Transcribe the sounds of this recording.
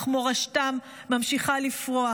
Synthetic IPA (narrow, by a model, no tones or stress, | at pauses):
χmoʁaʃtamː | amʃiχalifʁoa